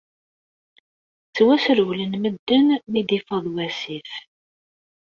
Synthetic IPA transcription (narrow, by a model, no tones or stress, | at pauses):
t͡sːwæsɾwlənməd̪ːənmid̪ifəðˤwæsif